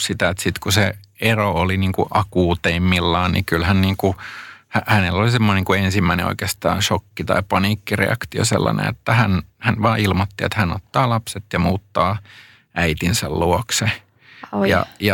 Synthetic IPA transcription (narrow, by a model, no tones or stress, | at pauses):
sit̪æet̪sit̪kuse | erooliniːŋkuʔɑkuːt̪eimːilːɑːnḭkylhænniːŋkuhæʔhænelːolisemːoniŋkuensimːæinḛo̰ikeːst̪ɑ̰ːʃokːit̪ɑ̰ipɑniːkːirḛɑ̰kt̪io̰sḛlːɑ̰nḛ̃ḛt̪ːæhænhænʋɑːilmot̪ːiḛt̪hæno̰t̪ːɑːlɑpset̪jɑmuːt̪ːɑː | ʔæit̪insæ̰lluokse | jɑ̰jɑ